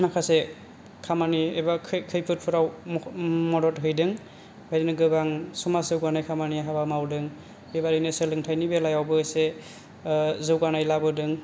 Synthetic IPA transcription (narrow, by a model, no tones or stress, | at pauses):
makʰase | kʰamaniebakʰkʰɯjpʰɯt̚pʰɯɾaw | mɔdɔtɦɯjdɯŋ | hɯjdɯnɯɡɯbaŋsumaszɯwɡanajkʰamaniaɦabamawdɯŋ | bebaɾinɯsɯlɯŋtʰajnibelajawbɯse | zɯwɡanajlabɯdɯŋ